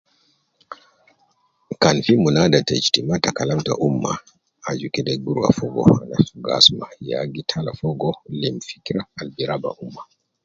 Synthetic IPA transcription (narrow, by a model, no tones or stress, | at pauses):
kanfimunadatɛ̰t͡ʃtimatakalamta̰ʔumːa | ad͡ʒukɛdɛɡuɾwa̰fɔɡɔ̰anasuɡa̰smaja̰ɡitʰalafɔɡɔlimfi̥kiɾaːlbiɾaba̰ʔumːa